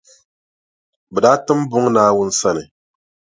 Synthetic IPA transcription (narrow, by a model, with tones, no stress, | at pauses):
bɛ˨da˨˦tɨ˦m˦bʊ˦ŋnaː˦wʊ˦n̩˦sa˦nɨ˨